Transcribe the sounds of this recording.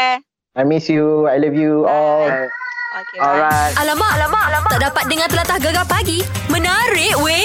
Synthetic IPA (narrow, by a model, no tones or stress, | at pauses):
ajmisjuajlivjuɔl | ɔɹaalamaʔalamalamaʔdapat̪̚dəŋãnt̪əlat̪ahɡəɡapaɡimə̃naɾɪʔwe